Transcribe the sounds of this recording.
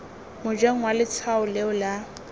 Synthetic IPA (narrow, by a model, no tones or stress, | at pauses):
mʊd͡ʒweŋ̩walɪt͡sʰaʊleʊla